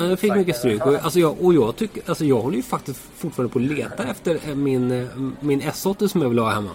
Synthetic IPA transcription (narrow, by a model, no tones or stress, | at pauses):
ad̪ɛfɪkːmʏkːəst̪ɾʉːkɔalsɔjɑːʔɔjɑːɡt̪ʰʏkːəalsɔjɑːɡhɔlːəjɵfak̚t̪ɪsk | fʊʈfɑːɾanəpʰɔːleːt̪aɛft̪əɾmɪnmɪnɛsɔt̪ːəsɔmjɑːvɪlhɑːhɛmːa̰